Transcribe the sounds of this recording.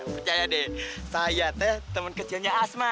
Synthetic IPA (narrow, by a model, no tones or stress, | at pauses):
pərt͡ʃajadɛsajat̪ɛht̪əmənkət͡ʃilɲaːsma